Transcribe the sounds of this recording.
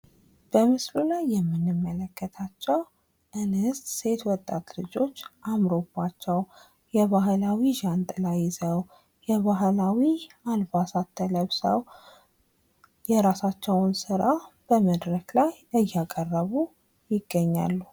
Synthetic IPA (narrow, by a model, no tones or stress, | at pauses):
b̥əmɨslulajːɛmːɨnːɨmːələkʰːət̪ʰat͡ʃːɛw | ʔɨnɨst̪se̞t̪wɔt̪ʼːat̪lɨd͡ʒo̞t͡ʃːʔamɾobːat͡ʃːɛw | jɛβaɦlawiʒant̪ʼlajɪzəw | jɛβaɦlawi | albasat̪ʰːələβsə̰w | jɛɾasat͡ʃːɛwʊnsɨɾab̥əməd̪ɾəklajʔɨjːakʼərːəβu | jɪɡːəɲːa̰lːu